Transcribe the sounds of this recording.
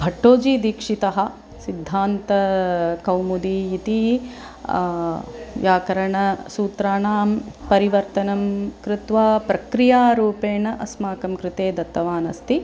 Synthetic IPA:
bʱɐʈːoːd͡ʒiːd̪iːkʂit̪ɐɦɐ̆ | sid̪ʱːaːnt̪ɐkɐwmud̪iit̪i | jaːkɐɾɐɳɐsuːt̪ɾaːnaːmpɐɾiʋɐɾt̪ɐnɐmkɾɪt̪ʋaːpɾɐkɾijaːɾuːpeːɳɐʔɐsmaːkɐmkɾɪt̪eːd̪ɐt̪ːɐʋaːnɐst̪i

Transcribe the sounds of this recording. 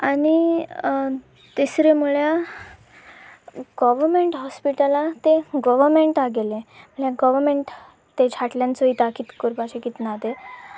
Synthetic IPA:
añi | t̪isɾemuɭja | ɡɔʋəɾmeɳʈɦɔspiʈəlãt̪eɡɔʋəɾmeɳʈaɡelem̤əɭjaɡɔʋəɾmeɳʈ | t̪ːed͡ʑʰʱaʈljãnt͡soit̪akiːt̪kuɾbaɕekit̪nad̪e

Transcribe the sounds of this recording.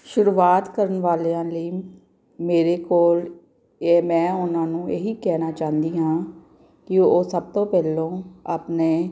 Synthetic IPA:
ʃʊɾuːaːt̪kəɾənʋaːleːãːləiː | meːɾeːkoːl | emɛ̃ːʊnãːnũːeːɦiːkɛːnaːt͡ʃaːɦnd̪iːɦãː | kɪoːsəb̚t̪oːpɛːlõːaːpneː

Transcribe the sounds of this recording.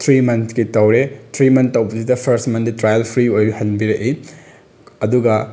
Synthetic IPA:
t̪ʰɾimɐntʰkitɐwɾet̪ʰɾimɐntːɐwbɐsidɐpʰɐɾstmɐnditɾajɐlpʰɾiojhɐnbiɾeʔi | ɐduɡɐ

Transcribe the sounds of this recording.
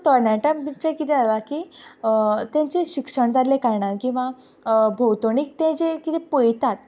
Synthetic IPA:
t̪ɔɾnaʈəmit͡ɕekit̪ɛalakiː | t̪jãɲt͡ɕeɕikʂəɳd͡zaɾlekaɾɳaɾkĩw̃ʋa | bʱowt̪oɳiːk̚t̪ɛ̃t͡ɕekit̪ɛpojt̪at̪̚

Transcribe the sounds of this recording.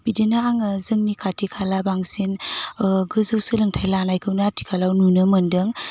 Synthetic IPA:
b̥idinaaŋzɯŋnikʰatʰikʰalabaŋsin | ɡɯzɯwsɯlɯŋtʰajlanajkʰɯwnatʰi̥kʰalawnunɯmɯndɯŋ

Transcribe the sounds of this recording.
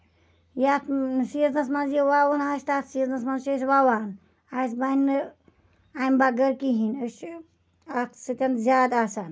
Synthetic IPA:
jat̪siznɐsmɐnzjewaːwɐnaːst̪aːt̪siznɐsmɐnzt͡ʃeswaːwaːn | aːsban | ajmbaɡɐɾkiɦinəʃ | at̪ʰsɨt̪ʲɐnzʲjaːd̪aːsaːn

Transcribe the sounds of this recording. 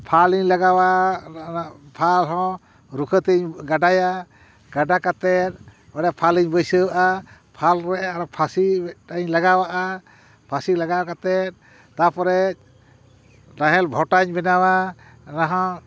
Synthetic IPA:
pʰaliɲlaɡawaʔa | pʰalɦɔ̃ | ɾukʰət̪iɲɡaɖaja | ɡaɖakat̪ɛt̪̚ | baɾɛpʰaliɲbəjsəwaʔa | pʰalɾɛʔaɾɔpʰasiɛʈaɲlaɡawaʔa | pʰasilaɡaakat̪ɛt̪̚ | t̪apɔɾɛt̪̚ | ɾaɦɛlbʱɔʈaɲbɛnawa | naɦɔ̃

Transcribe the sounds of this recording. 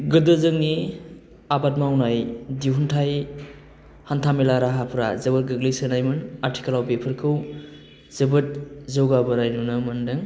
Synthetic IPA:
ɡɯdəzɯŋni | abat̚mawnajdiɦuntʰaj | hantʰamelaɾaɦapʰɾazɯbət̚ɡɯɡlisənajmɯnaɾtʰi̥kʰalawbepʰɯɾkʰɯw | z̥ɯbɯt̚zowɡabɯnajnunɯmɐndɯŋ

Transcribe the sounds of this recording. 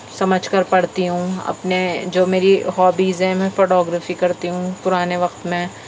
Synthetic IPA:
sɐməd͡ʒʱkəɾpɐɽt̪iɦũɐ̰pned͡ʒoːmeːɾiɦɔːbiːzɦɛ̃mɛ̃foːʈɔːɡɾəːfikɐɾt̪iɦũpʊɾaːneʋɐqt̪mɛ̃

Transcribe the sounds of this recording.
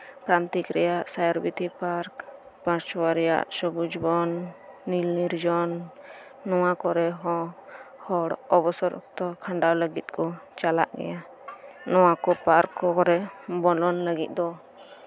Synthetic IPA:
pɾant̪ikɾɛjaʔsajɔɾbit̪ipaɾk | pãt͡ʃwaɾija̰ʔsɔbud͡ʒibɔnːilniɾd͡ʒɔnː | ɔwakɔɾɛɦɔ̃hɔɽɔbɔsɔɾ̰t̪ɔkʰaɳɖawləɡit̪̚kɔt͡ʃala̰ʔɡɛ̰ja | nɔw̃akɔpaɾkːɔkɔɾɛbɔlɔnləɡit̪̚ˀd̪ɔ

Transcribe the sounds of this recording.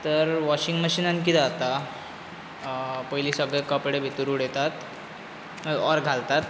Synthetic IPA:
t̪əɾʋɔɕiŋɡməɕiːnãnkit̪ɛat̪a | pəjliːsəɡɭekəpɽebʱit̪uɾuɽet̪at̪ | ɔɾɡʱalt̪at̪

